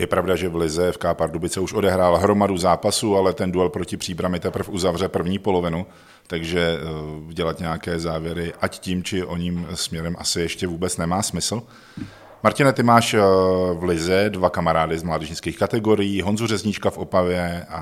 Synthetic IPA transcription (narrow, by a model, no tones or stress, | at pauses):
jɛpɾavdaʒɛvlɪzɛfkaːpaɾdubɪt͡sɛuʃʔo̞dɛɦɾaːlɦɾo̞maduzaːpasualɛt̪ɛnduɛlpɾocɪpr̥iːbɾamɪt̪ɛpr̩fʔuzavrɛpr̩vɲiːpo̞lo̞vɪnu | t̪aɡʒɛuɟɛlat̪ɲɛjakɛːzaːvjɛɾɪʔacciːmt͡ʃɪʔo̞ɲiːmsmɲɛɾɛmʔasɪjɛʃcɛvuːbɛt͡snɛmaːsmɪsl̩ | maɾcɪnat̪ɪmaːʃvlɪzɛdvakamaɾaːdɪzmlaːdɛʒɪnskiːxkat̪ɛɡo̞ɾɪjiːɦo̞nzurɛzɲɪt͡ʃkafʔo̞pavjɛa